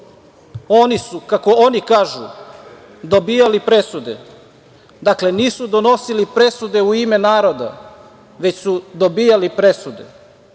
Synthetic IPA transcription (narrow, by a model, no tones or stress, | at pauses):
o̞ːnisukako̞onikaːʒu | d̪o̞biːjalipɾe̞sud̪e̞̰ | d̪akle̞niːsud̪o̞no̞silipɾe̞sud̪e̞uime̞naːɾo̞d̪a̰ | ʋe̞t͡ɕsud̪o̞bijalipɾe̞sud̪e̞̰